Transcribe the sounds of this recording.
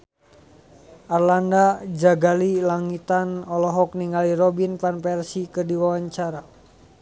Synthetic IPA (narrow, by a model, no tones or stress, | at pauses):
ʔarlandad͡ʒaɡalilaŋit̪anɔlɔɦɔk̚niŋaliɾɔbinpanpɛrsikərdiwawaɲt͡ʃaɾa